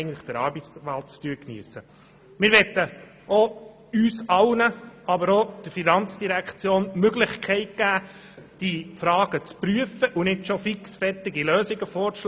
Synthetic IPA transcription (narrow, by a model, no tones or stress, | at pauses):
ɡən̩tləχd̥əɾɑːɾbit͡sʋælt̚t͡styːknḭəsːə | mɪɾʋɛt̪ːə | ɔ | yːsɑlnəɑbəɾod̥əɾfinɑnt͡sd̥iɾækʰt͡sjoːnmøɡlɪχkʰɛɪt̚ɡ̥æː | d̥ifɾɑːɡ̥ət͡spɾyəfəʔunɪtʃɔfiksfɛɾtɪɡiløːsɪɡəfɔːɾʃ